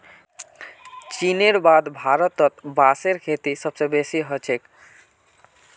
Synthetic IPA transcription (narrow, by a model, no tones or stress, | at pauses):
t͡ʃineɾbad̪bʱaɾɔt̪ɔt̪baseɾkʰet̪isəbsebesiɦɔt͡ʃʰek